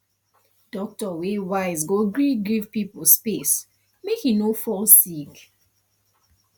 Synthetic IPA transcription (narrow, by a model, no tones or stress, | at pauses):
d̥ɔk̚tɔwewaɪz̬ɡoɡɹiɡivpipospes | mekhinofɔlsik